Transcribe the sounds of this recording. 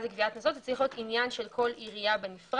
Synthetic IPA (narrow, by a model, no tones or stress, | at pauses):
zekviat̪nozot̪et͡sliχujot̪injanʃe̞lkʰo̞liʁijabe̞nifʁ